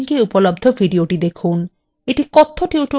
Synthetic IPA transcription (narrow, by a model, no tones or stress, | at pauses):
ŋkeupɔlɔbd̪ʱɔbʱiɖioʈid̪ekʰun | eʈikɔt̪ʰːoʈiuʈo